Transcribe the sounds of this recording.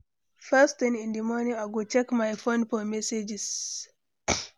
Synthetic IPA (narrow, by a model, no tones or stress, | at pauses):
fɛstĩnĩndimɔnĩaɡɔt͡ʃɛkmajfonfɔmɛsed͡ʒis